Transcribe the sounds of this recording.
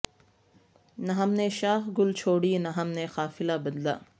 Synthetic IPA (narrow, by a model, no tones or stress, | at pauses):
nɐɦɐmneʃaːɦɡʊlt͡ʃʰoːɽinɐɦɐmnexaːfɪlabɐd̪la̰ː